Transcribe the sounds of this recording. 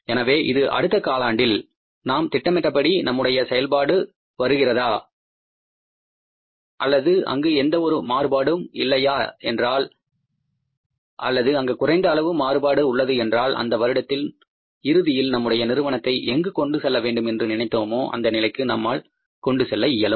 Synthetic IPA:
ɛnɐʋeːʔɪðɯʔɐ̰ɽɯt̪ːɐkaːlaːɳɖɪl | naːmt̪ɪʈːɐmɛʈrɐpːɐɽinɐmːɯɽɐjɐsɛjɐlpaːɽɯ | ʋɐɾɯɣɪrɐðaː | ʔɐ̰lːɐðɯʔɐ̰ŋɡɯɛnd̪ɐɔɾɯmaːɾɯbaːɽɯmɪlːɐjaːɛndraːl | ʔɐ̰lːɐðɯɐŋɡeːkʊrɐɪnd̪ɐːlɐʋɯmaːrɯbaːɽɯʊɭːɐðɯɛndraːlʔɐ̰nd̪ɐʋɐɾɯɽɐt̪ːɪl | ɪɾɯðɪjɪlnɐmːɯɽɐjɐnɪɾɯʋɐnɐt̪ːɐɪʔɛŋɡɯkɔɳɖɯsɛlːɐʋeːɳɖɯmɛndrɯnɪnɐɪt̪ːoːmoːʔɐ̰nd̪ɐnɪlɐɪkːɯnɐmːaːl | kɔɳɖɯsɛlːɐɪjːɐlɯm

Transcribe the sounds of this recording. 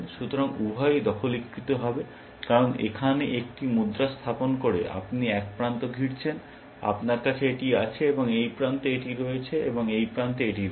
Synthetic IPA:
nʃut̪oɾaŋubʱɔjd̪ɔkʰolikɾit̪oɦɔbe | kaɾonḛkʰaneʔek̚ʈimud̪ɾast̪ʰaponkoɾeʔa̰pniɛk̚pɾant̪oɡʱiɾt͡ɕʰen | a̰pnaɾkat͡ɕʰeeʈiat͡ɕʰeeboŋejpɾant̪eeʈiɾojet͡ɕʰeʔḛboŋejpɾant̪eeʈiɾ

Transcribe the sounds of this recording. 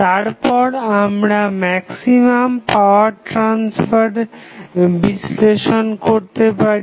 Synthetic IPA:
t̪aɾpɔɾamɾamɛksimampaoaɾʈɾansfʰaɾ | bisleʃonkoɾt̪epaɾi

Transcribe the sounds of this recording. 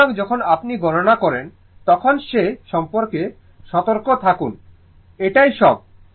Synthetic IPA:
oɡd͡ʑɔkʰonapniɡʱɔɾonakɔɾen | t̪ɔkʰonʃeʃɔmpoɾke | ʃɔt̪oɾkot̪ʰakun | eʈajʃɔb̚

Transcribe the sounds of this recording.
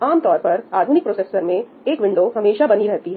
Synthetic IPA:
aːmt̪ɔːɾpɐɾaːd̪ʱʊnɪk̚pɾoːseːsəɾmẽ | eːkʋɪ̃ɳɖoɦɐmeːʃabɐniɾɛɦt̪iɦɛː

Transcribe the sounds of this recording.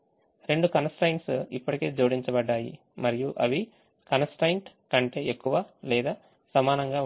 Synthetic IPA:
ɾe̞ɳɖukɐnɐsʈɐjɳʈsipːɐʈike̞ːd͡ʒoːɽiɲt͡ʃɐbɐɖːaːjḭ | mɐɾijuʔɐʋi | kɐnɐsʈɐjɳʈkɐɳʈe̞ːekːuʋɐlɛːd̪aː | sɐmaːnɐŋɡaː

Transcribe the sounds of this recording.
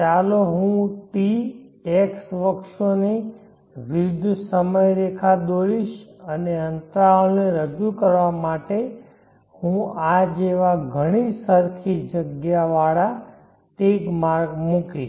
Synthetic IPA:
t͡ʃaloɦũʈieksʋəkʃone | ʋɪd̪ʱsəməjɾekʰad̪oɾiʃəneənt̪ɾalneɾəd͡ʒukəɾʋamaʈe | hũad͡ʒeʋaɡʱəɽ̃isəɾkʰid͡ʒəɡjaʋaɽa | teɡmaɾɡmukiʃ

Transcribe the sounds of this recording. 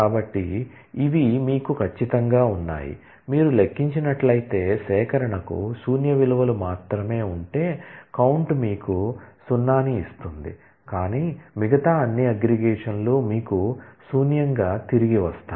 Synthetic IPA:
kaːbɐʈːi | iʋimiːkukʰɐt͡ʃːit̪ɐŋɡaːunːa̰ːjḭ | miːɾulekːiɲt͡ʃinɐʈlɐjit̪e̞ːsɛːkɐɾɐɳɐkṵsuːnjɐʋiluʋɐlumaːt̪ɾɐme̞ːuɳʈe̞ːkɐwuɳʈmiːkusunːaːniːst̪und̪ḭ | kaːniːmiɡɐt̪aːɐnːiɐɡɾiɡɛːʂɐnlo̞ːmiːkusuːnjɐŋɡaːt̪iɾiɡiʋɐst̪aː

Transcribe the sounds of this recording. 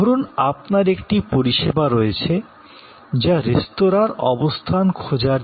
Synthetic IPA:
oɾunapnaɾekʈipoɾiʃebaɾoet͡ɕʰe | d͡ʑaɾest̪oɾaɾɔ̰bost̪ʰankʰod͡ʑaɾ

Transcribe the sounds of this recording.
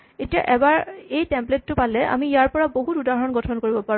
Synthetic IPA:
etija̰ʔɛbaɹejtɛmpletːʊpalɛʔa̰mijaɹpɔɹaboɦutudaɦɔnɡɔtʰɔnkoɹibɔpaɹ

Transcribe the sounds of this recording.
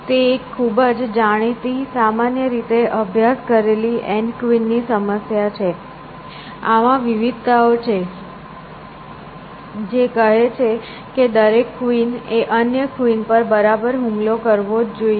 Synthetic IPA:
t̪ekʰːubəd͡ʒd͡ʒaɽ̃it̪isamanjəɾit̪eʔəbʱjaskəɾeliʔɛ̃ɳɖkʋinːisəməsjat͡ʃʰe | aʋãʋiʋid̪̚t̪aot͡ʃʰe | d͡ʒekəɦet͡ʃʰe | ked̪əɾekːʋineʔənjəkʋinpəɾbəɾabəɾɦũmlokəɾʋod͡ʒd͡ʒoi

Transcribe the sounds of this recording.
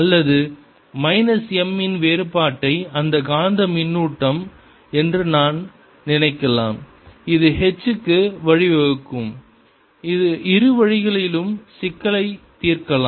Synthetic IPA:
ɐlːɐðɯ | mɐɪnɐsɛmːɪnʋeːɾɯpaːʈːɐɪɐnd̪ɐɡaːnd̪ɐmɪnːuːʈːɐm | ɛndrɯnaːn | nɪnɐɪkːɐla̰ːm | ɪðɯhɛt͡ʃːɯkːɯʋɐɻɪʋɐɻɯkːɯm | ɪðɯʔɪɾɯʋɐɻɪɣɐɭɪlɯmsɪkːɐɭɐɪt̪ːiːrkɐlaː

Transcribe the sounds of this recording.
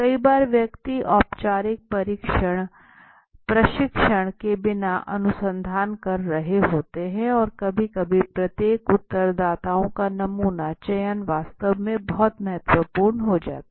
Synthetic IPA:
kɐibaːɾʋjɐkt̪iʔɔːpt͡ʃaːɾɪk̚pɐɾikʃəɽ̃ | pɾɐʃɪkʃəɽ̃kebɪnaʔɐ̰nʊsə̃nd̪ʱaːnkɐɾːɐɦeɦoːt̪eɦɛ̃ɔːɾkɐbʱikɐbʱipɾɐt̪jeːkʊt̪ːəɾd̪aːt̪aːõkanɐmuːnat͡ʃɐjənʋaːst̪əʋmẽbɔɦt̪mɐɦət̪ʋəpuːɾɳɦod͡ʒa̰ːt̪a

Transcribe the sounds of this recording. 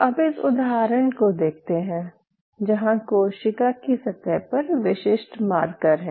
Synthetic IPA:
ɐbɪsʊd̪ɦaːɾəɳ̃kod̪eːk̚ʰt̪eɦɛ̃ː | d͡ʒɐɦãkoʃɪkakisɐt̪ɛpɐɾʋɪʃɪʃʈmaːɾkəɾɦɛ̃ː

